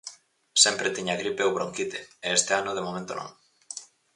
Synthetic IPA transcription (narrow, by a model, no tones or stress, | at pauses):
sempɾet̪iɲaɣɾipewβɾoŋkit̪eeest̪eanoðemomẽnt̪o̰nõ̰ŋ